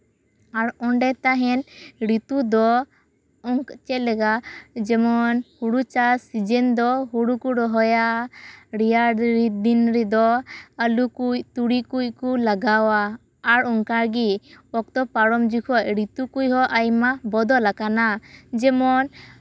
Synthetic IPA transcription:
aɾɔɳɖɛt̪aɦɛnɾit̪ud̪ɔ | ɔŋkt͡ʃɛlɛɡad͡ʒɛmɔnhuɽut͡ʃasid͡ʒɛnd̪ɔɦuɽukuɾɔɦɔja | ɾijaɾid̪inɾɛd̪ɔəlukujt̪uɽikuckulaɡawaː | ɾɔŋkaɾɡiɔk̚t̪ɔpaɾɔmd͡ʒukʰɔʔ̚ɾit̪ukujhɔʔajmabɔd̪ɔlakanad͡ʒɛmɔn

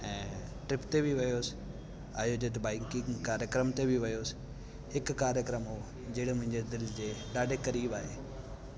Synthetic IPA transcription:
ɛ̃ːʈɾɪpt̪ebʱiʋɐjoːsɪ̥ | aːɦjod͡ʑet̪̬baːɪkɪŋkaːɾjəkɾəmt̪ebʱiʋɐjoːs | ɦɪkkaːɾjəkɾəmɦoː | d͡ʑeːɽemʊ̃ɦɪ̃ɲd͡ʑed̪ɪld͡ʑeːɗaːɖʱekɐɾiːbaːɦeː

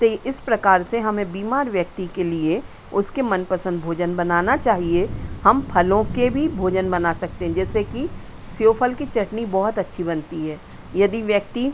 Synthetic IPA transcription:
t̪oʔɪspɾɐkaːɾseɦɐmẽbiːmaːɾʋjək̚t̪ikelie | ʊskemɐnpəsə̃nd̪̚bʱoːd͡ʒənbɐnaːnat͡ʃaːɦiehɐmpʰɐlõkebʱibʱoːd͡ʒənbɐnasɐk̚t̪eɦɛ̃d͡ʒɛːseki | sjoːpʰəlkit͡ʃɐʈnibɔɦʊt̪ɐtːʃʰibɐnt̪iɦɛː | jɐd̪iʋjək̚t̪i

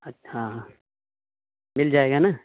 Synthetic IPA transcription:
ɐɦãːɦã | mɪld͡ʒaːeːɡanaː

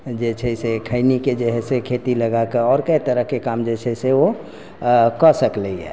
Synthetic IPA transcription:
d͡ʒɛt͡ʃʰɛsekʰəɪniked͡ʒeɦɛsekʰet̪iləɡakeɔːɾkəit̪əɾəɦkekamd͡ʒɛt͡ʃʰɛseo | kɔsəkleiɛ̰ː

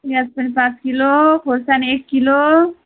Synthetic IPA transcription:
jat͡spənipãt͡skilokʰoɾsanekːilo

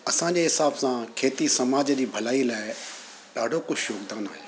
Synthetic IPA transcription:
ɐsãːd͡ʑeːɦɪsaːbsãːkʰeːt̪isɐmaːd͡ʒd͡ʑiːbʱəlaːilaːɪ | ɗaːɖʱokʊt͡ʃʰjoːɡd̪aːna̰ːɦeː

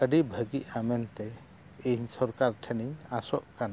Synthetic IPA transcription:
əɖibʱəɡiʔamɛnt̪ɛ | eɲsɔɾkaɾʈʰɛniɲasɔʔkana

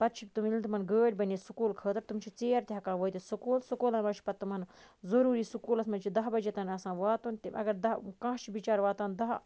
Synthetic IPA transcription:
pɐt̪̚t͡ʃʰik̚ʲt̪umilt̪umɐnɡəːɖʲbɐnesukuːlkʰəːt̪ɐɾt̪umt͡ʃʰit͡seːɾt̪ʲaːkãːʋoːt̪isukuːlsukoːlɐnmɐt͡ʃʰi̥pɐt̪ːmɐn | zɐɾuːɾiːsukuːlɐsmɐnt͡ʃʰid̪ɐɦbɐd͡ʒet̪ɐnɐsãːʋaːt̪ont̪iʔɐ̰ɡɐɾd̪ɐkãːɦt͡ʃʰibit͡ʃaːɾʋaːt̪aːnd̪ɐɦ

